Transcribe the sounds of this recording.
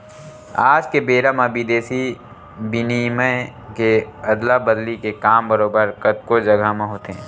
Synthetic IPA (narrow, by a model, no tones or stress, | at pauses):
aːd͡ʒkebeːɾəməbid̪eːsi | bɪniməkeɐd̪labəd̪likekaːmbəɾoːbəɾkət̪̚kod͡ʒɐɡamẽɦoːt̪eɦɛ̃ː